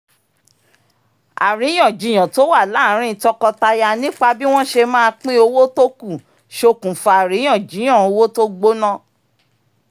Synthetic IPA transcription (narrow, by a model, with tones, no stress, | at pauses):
a̰˨ɾĩ˨˦ɔ̃˦˨d͡ʒi˨˧˦j̃ã˨to˦wa˦˨la˦˨˦ɾ̃ĩ˦˧tɔ˧kɔ˧ta˧ja˧nĩ˦k͡pa˧bi˦w̃ɔ̃˦ʃe˧mãː˦˧k͡pĩ˦o˧wo˦to˦ku˦˨ | ʃo˧kũ˨fa˨a˨ɾĩ˨˦ã˨d͡ʒĩ˨˦ã˨o˧wo˦to˦ɡ͡bo˦nã˦